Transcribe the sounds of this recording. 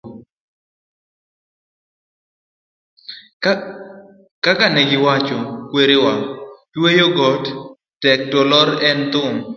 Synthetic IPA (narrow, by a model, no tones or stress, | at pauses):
kakanɛɡɪwat͡ʃɔkweɾewa | wejoɡɔt | tɛk̚tɔlɔɾɛnt̪ʊm